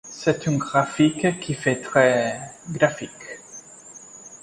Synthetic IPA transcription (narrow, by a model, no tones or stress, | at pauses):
sɛt̪ỹnɡʁafikkʰːifɛt̪χɛɡɾafik